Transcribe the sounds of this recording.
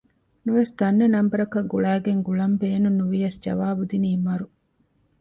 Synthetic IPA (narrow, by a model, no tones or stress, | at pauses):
nuʋesd̪ɐnːɐnɐmbɐɾɐkɐɡuɭæːɡeŋɡuɭɐmbeːnunːuʋijɐsd͡ʒɐ̰ʋaːbud̪iniːmɐɾu